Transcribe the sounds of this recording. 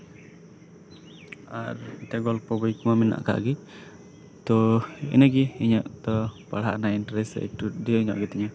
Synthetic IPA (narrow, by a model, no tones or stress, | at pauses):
aɾɛʈɛɡɔlpɔbɔjkɔmamɛna̰ʔka̰ʔɡi | t̪ɔɛ̰nɛɡiiɲɔʔt̪ɔpaɽaʔnainʈɾɛsɛ̰ʈuɖiiɲɔ̰ʔɡɛt̪ɛɲa